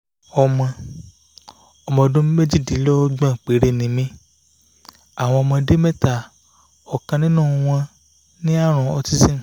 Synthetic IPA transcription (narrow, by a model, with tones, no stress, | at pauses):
ɔ˧mɔ̃˧ | ɔ˧mɔ̃˧ɔ˧dũ˦m˦me˦d͡ʒi˦˨di˨˦lɔ˦ɡ͡bã˦˨k͡pe˨˦ɾe˦˨nĩ˨˦mĩ˧ | a˨w̃ɔ̃˧ɔ˧mɔ̃˧de˦me˦ta˨ | ɔ˨kã˧nĩ˦nũː˦˨˧w̃ɔ̃˧ | nĩ˦a˦˨ɾ̃ũ˨ɔ˧ti˦sĩ˦˨